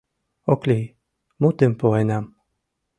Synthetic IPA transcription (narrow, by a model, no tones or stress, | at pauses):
oklʲi | mut̪ɘmpoenam